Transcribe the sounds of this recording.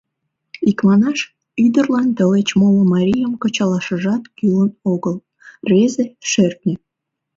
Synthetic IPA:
ikmɑnɑʃ | yd̪ərlɑnt̪əlet͡ɕmoləmɑɾʲijəmkət͡ɕɑlɑʃəʒɑt̪kylənoɣəl | rezeʃert̪nĕ

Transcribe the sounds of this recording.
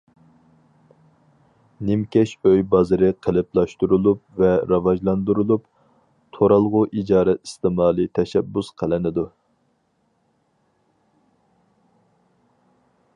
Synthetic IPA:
nɪmkʲɛʃøjbɑzɨɾɪqʰəlɪplˠɑʃt̪uɾulˠupvɛɾɑvɑʒlˠɑnd̪uɾulˠup | t̪ʰoɾɑlˠʁʊʔid͡ʒɑːɾɛt̪ist̪ɪmɑːlˠɨt̪ʰɛʃɛbːusqʰəlɪnɪd̪u

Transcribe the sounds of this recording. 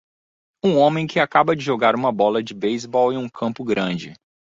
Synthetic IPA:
ũõmẽj̃kɪakabɐd͡ʒɪʒoɡaɾũmɐbɔlɐd͡ʒɪbejzbɔwɪũkʰɐ̃mpʊɡɾɐ̃d͡ʒɪ

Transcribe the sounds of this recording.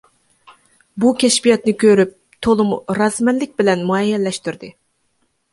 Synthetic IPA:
bukʲʰɛʃbijɑt̪nɨkʲøɾyp̚ | t̪ʰolˠumɾɑzmɛnlɪk̚ʲbɪlɛnmuɛjːɛlːɛʃt̪yɾd̪ɨ

